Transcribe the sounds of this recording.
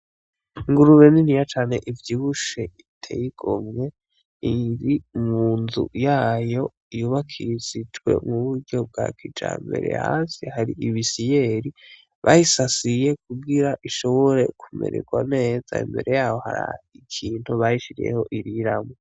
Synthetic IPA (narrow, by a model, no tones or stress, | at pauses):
ŋɡuɾuβeninijat͡ʃaːne̞ʔivjiβuʃeitʰejiɡ̥o̰mŋe̞ | iɾimuːnzṵjaːjo̞ | ijuβakʰizid͡ʒwe̞̰muβuɾɟo̞b̚ɡakʰid͡ʒa̰ːmbe̞ɾḛha̰ːnsihaɾiʔiβisijeɾi | βʔajisasije̞kuɡiɾaʔiʃo̞βo̞ɾe̞̰kʰumḛɾḛɡwane̞ːz̥a̰ḭmbe̞ɾe̞jaːho̞ha̰ɾa̰ikʰiːn̥huβajiʃiɾḭjḛho̞ʔiɾiɾamo